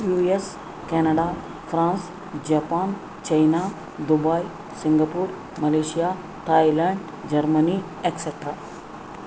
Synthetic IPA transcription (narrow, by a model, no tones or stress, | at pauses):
jues | kɛnɐɽa | fɾãːns | d͡ʑapaːn | t͡ɕɐjna | d̪ubaj | siŋɡapuːɾ | mɐleʃija | t̪ajlɛɳɖ | d͡ʑɐɾməni | ekseʈɾa